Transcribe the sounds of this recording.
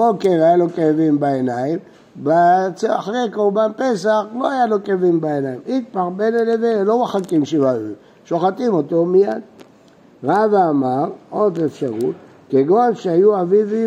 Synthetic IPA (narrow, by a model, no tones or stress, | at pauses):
bokeʁajalokaavimbaenaim | bat͡saχʁekolbanpe̞saχlo̞ajalokevimbaenaimik̚paχbenelevelo̞maχakimʃea | ʃoχatimo̞tomijad | ʁavamaʁo̞defʃaʁut̪ | keɡoanʃeajuavivi